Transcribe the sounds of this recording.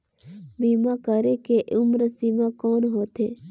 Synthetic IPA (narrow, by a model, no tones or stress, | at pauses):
bimakəɾekeʔʊmɾəsimãkɔːnɦoːt̪ʰeː